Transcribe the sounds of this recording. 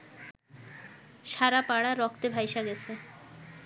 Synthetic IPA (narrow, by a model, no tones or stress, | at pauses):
ʃaɾapaɽaɾɔkʰt̪ebʱajʃaɡɛt͡ɕʰe